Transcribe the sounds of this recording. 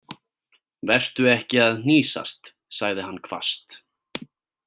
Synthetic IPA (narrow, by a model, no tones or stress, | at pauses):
vɛr̥t̪ʏɛhcɪaðn̥iːsa̰st̪ | saɣðɪɦanːkʰva̰st̪